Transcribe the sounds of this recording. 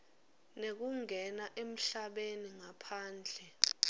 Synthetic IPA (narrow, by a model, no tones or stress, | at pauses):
nek̬uŋɛnaʔem̩ɬaɓeniŋapʰaːnd͡ɮʱɛ